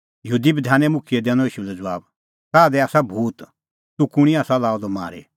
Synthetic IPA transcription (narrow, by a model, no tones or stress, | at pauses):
jəɦuːd̪ibɐd̪ʱaːnɛ̃mʊkʰiɛd̪ɛ̃ːñɔ̃iːʃulɛd͡zəʋaːb | saːd̪ɛaːsabʱuːt̪ | t̪ukʊɽ̃iaːsalaːɔd̪ɔma̰ːɾḛ